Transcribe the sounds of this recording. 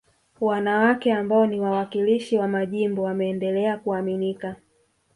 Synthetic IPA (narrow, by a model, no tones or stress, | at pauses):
wanawakɛambaɔniwawakiliʃiwamaʄimbɔwamɛːndɛlɛakuaminika